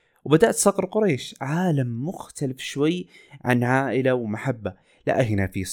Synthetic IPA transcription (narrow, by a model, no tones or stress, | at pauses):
wbad̪aʔt̪sˤɑqɾˤqʊɾaːʃʕaːlamːʊxt̪alafʃwajːʕa̰nʕaːʔɪlawmaħabːa | la̰ʔahinafiːsˤ